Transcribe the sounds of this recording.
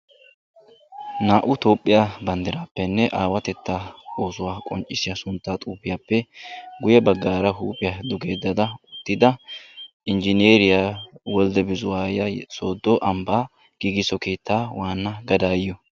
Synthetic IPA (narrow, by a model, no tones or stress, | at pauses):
naːʔʊt̪o̞ːpʼːɪjaːbɐnd̪ɪɾaːpːɛnːɛʔaːwɐt̪ɛt̪ːaːoːsʊwaːkʼɔ̰nt͡ʃʼːɪsɪjasʊnt̪ːaːt̪ʼuːpːɪjaːpːɛɡʊjɛbɐɡːaːɾɐɦuːpʼɪjad̪ʊɡe̞ːd̪ːɐd̪ɐʊt̪ːɪd̪ɐ | ʔɪnd͡ʒɪneːɾɪjaːwɔld̪ɛbɪzʊwaːjɐso̞ːd̪ːɔʔɐmbaː | ɡ̥iːɡɪsɔke̞ːt̪ːaːwʔaːnːɐɡɐd̪aːjɪjɔ